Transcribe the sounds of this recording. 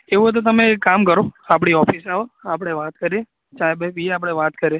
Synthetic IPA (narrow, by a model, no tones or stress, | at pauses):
eʋũɦət̪̬ot̪̬əmekːamkəɾoap̬ɽ̃iɔfisaʋəapɽ̃eʋat̪kəɾie | t͡ʃabeʋiapɽ̃eʋat̪kəɾie